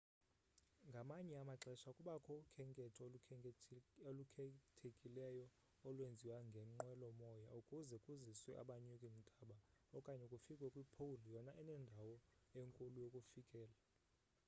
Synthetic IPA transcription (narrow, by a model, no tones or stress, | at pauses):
ŋɡʱamaɲɛamaǁɛʃakʼuɓakʰɔukʰɛŋkʼɛtʰɔ | olukʰtʰekʼilɛjɔ | ɔlwend͡zʱiwaŋɡʱɛŋ͡ǃwɛlɔmɔjaukʼuzɛkʼuziswɛʔa̰ɓaɲukʼim̩tʼaɓaɔkʼaɲɛkʼufikʼwɛkʼwipʰowulijɔnaʔɛnɛndʱawɔeŋkʼulujokʼufikʼɛːla